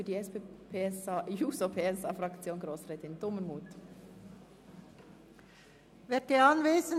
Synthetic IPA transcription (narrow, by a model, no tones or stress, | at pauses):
ydiːɛspepʰeːsjuːsopʰeːɛsɑːfɾɑkt͡sjoːnɡɾoːsɾɛːt̪ɪnd̥̪ʊmənmuːt̪ | ʋɛteɑnʋeːzən